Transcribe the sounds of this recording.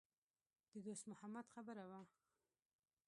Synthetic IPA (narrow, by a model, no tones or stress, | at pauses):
d̪̥əd̪osmʊhamad̪xabəɾawa